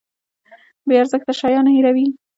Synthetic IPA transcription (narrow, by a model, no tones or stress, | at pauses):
beaɾzəkt̪aʃɑjɑnahiɾawi